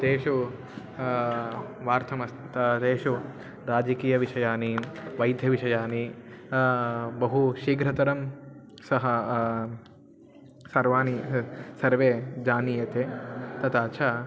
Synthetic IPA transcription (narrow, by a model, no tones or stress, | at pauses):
t̪eːʃu | ʋaːɾt̪ʰɐmɐst̪ʰt̪ɐt̪eːʃu | ɾaːd͡ʒɐkiːjɐʋiʂɐjaːniʋɐjd̪ʱjɐʋiʃɐjaːni | bɐɦuʃiːɡɾɐt̪ɐɾɐm | sɐɦɐ | sɐɾʋaːnisɐɾʋeːd͡ʒaːniːjɐt̪eːt̪ɐt̪aːt͡ʃʰaː